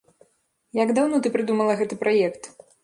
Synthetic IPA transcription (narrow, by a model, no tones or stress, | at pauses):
jaɡd̪awnɔt̪ɨpɾɨd̪umɐlˠɐɣɛt̪ɨpɾajɛkt̪